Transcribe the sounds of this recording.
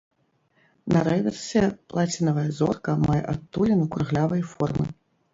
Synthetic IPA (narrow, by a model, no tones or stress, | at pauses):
nɐɾɛvʲɛrsʲɛplˠat͡sʲinɐvɐjɐzɔ̰rkɐmajɛ̰ʔat̪ːulʲinukɾɨɣlʲavɐjɐfɔrmɨ